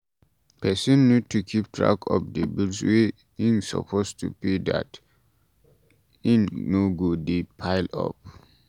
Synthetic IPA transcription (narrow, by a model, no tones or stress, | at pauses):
pʰɛsɔ̃nːud̚tukʰip̚tʰɹa̰kʰɔ̰p̚debilswe | ĩnsɔ̰pʰostupeda̰t | ĩnːoɡodepʰaɪlɔ̰p̚